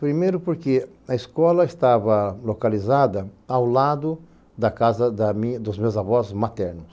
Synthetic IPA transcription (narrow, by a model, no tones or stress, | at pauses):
pɾimejɾʊpoɾke | ɐeskɔlɐest̪avɐlokalizad̪ɐawlad̪ʊ | d̪ɐkazɐd̪ɐmĩd̪ʊzmewzavɔszmat̪ɛɾnʊs